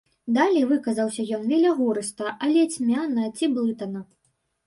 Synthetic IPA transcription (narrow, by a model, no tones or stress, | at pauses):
d̪alʲɛjvɨkɐzɐwsʲɐjɔnvʲɛlʲɐɣuɾɨst̪ɐʔɐlʲɛt͡sʲmʲanɐt͡sʲiblˠɨt̪ɐnɐ